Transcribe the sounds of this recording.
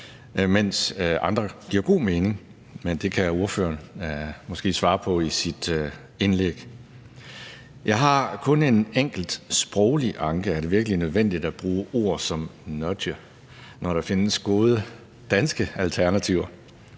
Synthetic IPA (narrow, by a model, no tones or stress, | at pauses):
men̰sɑ̈nd̥ʁɐɡ̥iɐ̰ɡ̥o̝̰ːmeːne̝ŋ | mend̥e̝kʰæuɐfø̰ːɐnmɒ̽sɡ̥e̝̰ːsʋɑ̈ːpʰɒ̽isid̥ | enleɡ̥ | jɑ̈ɪɦɑ̈kʰɔ̽ne̝neŋ̰ɡ̥l̩d̥sb̥ʁɒʊliʔɑ̈ŋɡ̥əæɐde̝ʋiɐɡ̥əlinøð̞ˠʋen̰d̥id̥æb̥ʁuːʔo̝ɐ̰sɒ̽mnɒdɐ | nɒɾ̥ɑ̈fe̝nəsɡ̥o̝ːð̞ˠə | d̥ænsɡ̥əælt͡sʰæɐnæt͡sʰiʊ̰ɐ